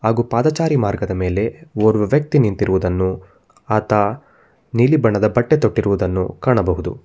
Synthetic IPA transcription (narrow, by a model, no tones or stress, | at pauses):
ɦaːɡuːpaːd̪ɐt͡ʃaːɾimaːɾɡɐd̪ɐme̞ːle̞oːɾʋɐʋjɐk̚t̪inint̪iɾuʋud̪ɐnːu | aːt̪a | niːlibɐɳɐd̪ɐbɐʈːe̞t̪o̞ʈːiɾuʋud̪ɐnːṵkaːɳɐbɐɦud̪ṵ